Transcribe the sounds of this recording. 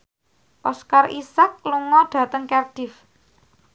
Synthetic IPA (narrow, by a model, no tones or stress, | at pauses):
pɔskarʔisak̚luŋɔd̥ä̤t̪əŋkɛrd̥ɪf